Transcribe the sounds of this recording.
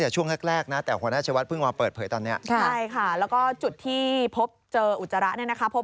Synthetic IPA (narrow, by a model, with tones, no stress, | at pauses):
ja˨˩t͡ɕʰu˥˩əŋlɛ˦˥˩k̚ɾɛː˥˩k̚na˦˥t̪ɛː˨˩kʰwːnaː˥˩t͡ɕʰa˧wa˦t̪̚pʰɯ˥˩ŋwaː˧pɤː˨˩t̪̚pʰɤː˩˦jt̪ɔː˧nːi˦˥ɐʔʰa˥˩jkʰa˥˩lɛː˦˥wkɔː˥˩t͡ɕu˨˩t̪ʰːiː˥˩pʰo˦˥p̚t͡ɕɤː˧ʔu˨˩t̪̚sa˧ɾa˦˥ʔni˥˩ɐna˦˥kʰa˦˥pʰo˦˥